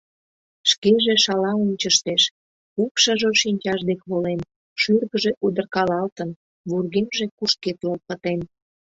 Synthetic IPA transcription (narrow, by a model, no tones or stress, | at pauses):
ʃkeʒeʃɑlɑunʲt͡ɕəʃt̪eʃ | kupʃəʒoʃinʲt͡ɕɑʒd̪ekβolen | ʃyrɣəʒe̽ʔud̪ərkɑlɑlt̪ən | βurɣemʒekuʃket̪lolpət̪en